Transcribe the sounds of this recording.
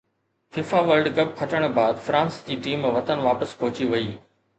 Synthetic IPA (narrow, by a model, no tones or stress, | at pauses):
fɪfaʋəlɖkɐb̚kʰɐʈəɽ̃baːd̪fɾãːnsd͡ʑiːʈiːmːʋɐt̪ənʋaːpəspɔɦʊt͡ɕiʋɐiː